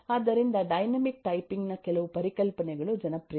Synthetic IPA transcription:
aːd̪ːɐɾind̪ɐɖɐjnɐmik̚ʈɐjpiŋɡnɐkɛlɐʋupɐɾikɐlpɐnɛɡɐɭud͡ʒɐnɐpɾi

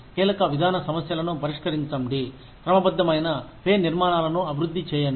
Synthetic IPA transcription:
kiːlɐkɐʋid̪ʱaːnɐsɐmɐsjɐlɐnupɐɾiʂkɐɾint͡ʃɐmɖi | kɾɐmɐbɐd̪ːɐmɐjnɐpeːniɾmaːɳaːlɐnuɐbʱiɾud̪ʱːit͡ʃɛːjɐ

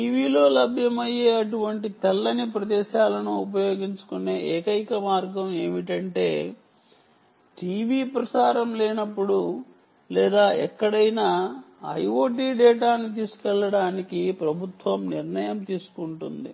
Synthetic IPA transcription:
ʈiːʋiːlo̞ːlɐbʱjɐmɐjeːɐʈuʋɐɳʈit̪ɛlːɐnipɾɐd̪ɛːʃaːlɐnuupɐjo̞ːɡiɲt͡ʃu̥kune̞ːʔeːkɐjkɐmaːɾɡɐme̞ːmiʈɐɳʈe̞̰ː | ʈiːʋiːpɾɐsaːɾɐmleːnɐpːuɽu | lɛːd̪aːɛkːɐɽɐjnaː | ɐ̰jo̞ːʈ̬iːɖɛːʈaːnit̪̬iːsu̥kɛlːɐɽaːnikipɾɐbʱut̪ʋɐmniɾɳɐjɐmt̪iːsu̥kuɳʈund̪ḭ

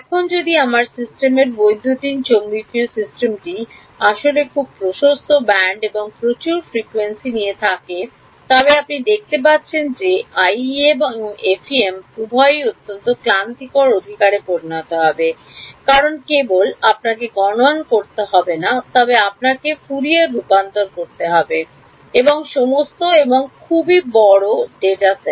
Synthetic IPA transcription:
ɛkʰond͡ʑod̪iamaɾsisʈemeɾbojd̪ʱːot̪int͡ɕomːikiosisʈemʈi | aʃolekʰub̚pɾoʃost̪ʰobɛɳɖeboŋpɾot͡ɕuɾfɾikwensinijet̪ʰake | t̪ɔbeapnid̪ek̚t̪ep̬atːɕʰend͡ʑeajeboŋefʰiempubʱɔejot̪ːont̪oklant̪ikoɾod̪ʱikaɾepoɾinat̪oɦɔbe | kaɾonkebolap̚nakeɡɔnonkoɾt̪eɦɔbenat̪ɔbeapnakefuɾieɾːupant̪oɾkoɾt̪eɦɔbe | eboŋʃomost̪oeboŋkʰubibɔɽoɖeʈase

